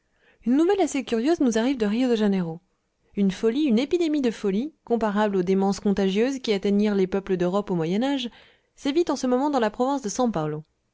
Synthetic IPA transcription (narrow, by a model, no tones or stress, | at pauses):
ynːuvɛlasekʲyʁjøznuzaʁivd̪əʁijod̪eʒeneʁo | ynfɔliynepid̪emid̪əfɔlikɔ̃paʁablod̪emɑ̃skɔ̃t̪aʒjøzkʲiat̪eɲiʁlepœpləd̪øʁɔpomwajɛnaʒ | sevit̪ɑ̃səmɔmɑ̃d̪ɑ̃lapχɔvɛ̃sd̪əsɑ̃palo